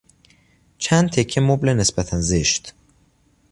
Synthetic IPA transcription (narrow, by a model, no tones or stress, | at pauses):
t͡ʃʰænd̪̚t̪ʰe̞cʰːemoblene̞sbæt̪ʰænzeʃt̪